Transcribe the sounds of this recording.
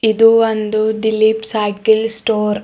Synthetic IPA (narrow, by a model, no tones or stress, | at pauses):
id̪uond̪uɖilipsajkilsʈoːɾ